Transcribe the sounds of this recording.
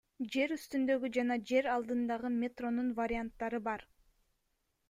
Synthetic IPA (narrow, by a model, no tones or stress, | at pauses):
d͡ʒe̞ɾyst̪ynd̪ø̞ɡyd͡ʒɑnɑd͡ʒe̞ɾɑlˠd̪ɯnd̪ɑʁɯmʲet̪ro̞nunvaɾʲɪant̪ːɑɾɯbɑɾ